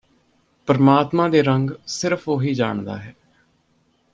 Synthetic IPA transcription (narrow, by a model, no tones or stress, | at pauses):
pəɾmaːt̪mãːd̪eːɾəŋɡsɪɾəpʰoːɦiːd͡ʒa̰ːɳd̪a̰ːɦɛː